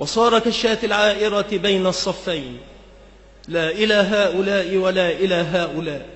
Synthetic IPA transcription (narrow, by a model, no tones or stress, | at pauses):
wɑsˤɑːɾˤɑkaʃːaːt̪ɪlʕaːʔɪɾɑbajnɑsˤːɑfːajn | laːʔɪlaːɦaːʔʊlaːʔɪwalaːʔɪlaːɦaːʔʊlaːʔ